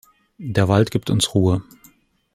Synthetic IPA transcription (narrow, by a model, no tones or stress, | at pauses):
d̥eːɐvaltɡ̥iːp̚tʊnsʁ̥uːə